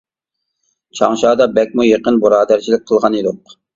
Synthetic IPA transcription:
t͡ʃʰɑŋʃɑːd̪ɑbɛk̚ʲmujeqənbuɾɑːd̪æɾt͡ʃʰilɪk̚ʲqʰəlˠʁɑnid̪ʊq

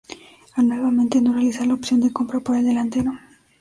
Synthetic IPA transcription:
anwelβament̪enorealisalaopsjo̞nd̪ekompɾapoɾeld̪elant̪eɾo

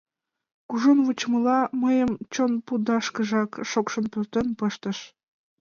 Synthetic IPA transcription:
kuʒonβut͡ɕmə̆lɑməjəmt͡ɕonpud̪ɑʃkə̆ʒɑkʃokʃonpyrt̪ənpɤʃt̪ə̆ʃ

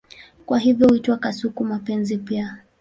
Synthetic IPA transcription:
kwaɦivjɔhuitwakasukumapɛnzipia

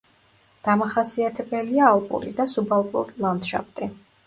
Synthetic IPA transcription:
d̪̥amaχasiat̪ʰɛbɛliaːlˠpʼṵɾḭd̪asubalˠpʼṵɾilˠand̪ʃa̰p̚ʰt̪ʼi

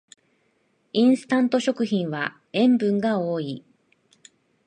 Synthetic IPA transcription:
ĩɰ̃sɨ̥t̪ãnt̪o̞ɕo̞kɯ̟çĩɰ̃βa | ẽ̞mbɯ̟̃ŋɡao̞ːi

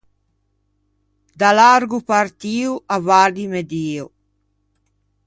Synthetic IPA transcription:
d̪alaɾɡupart̪iːuʔavadimed̪iːo

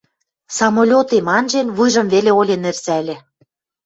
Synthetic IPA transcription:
sɑmolʲot̪emɑnʒenβujʒɤ̆mveleolʲenĕrsælʲĕ

